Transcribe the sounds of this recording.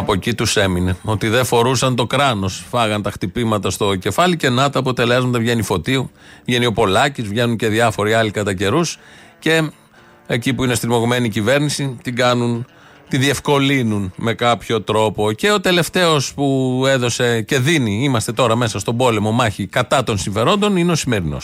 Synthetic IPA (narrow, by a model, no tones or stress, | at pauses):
ɐpo̞cit̪use̞mine̞o̞t̪iðe̞fo̞ɾusɐnt̪o̞kɾɐno̞sfɐɣɐnt̪ɐxt̪ipimɐt̪ɐst̪o̞ce̞fɐlice̞nɐt̪ɐːpot̪e̞lezmɐt̪ɐvʝe̞nifo̞t̪iu | vʝenio̞po̞lɐcizvʝe̞nuɲce̞ðiɐfo̞ɾiɐlikɐt̪ɐce̞ɾus | ce̞ | ecipuinest̪iɾmo̞ɣome̞niːcive̞ɾnisit̪iɡɐnun | t̪iðie̞fko̞linunme̞kɐpço̞t̪ɾo̞po̞ce̞o̞t̪e̞le̞ft̪e̞o̞spue̞ðo̞se̞ce̞ðiniimɐst̪e̞t̪o̞ɾɐme̞sɐst̪o̞bo̞le̞mo̞mɐçikɐt̪ɐt̪o̞nsiɱfe̞ɾo̞nd̪o̞nineo̞sime̞ɾino̞̰s